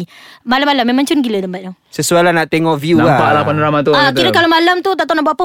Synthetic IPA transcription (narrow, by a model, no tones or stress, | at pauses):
malamalamːemãŋt͡ʃunɡiləd̪əmbaʔ̪̚dɔsəsualanaʔt̪eŋɔʔvjuapa̰ʔlapanɾamat̪uakiɾəkalomalamt̪ut̪̬aʔt̪anaʔbuapə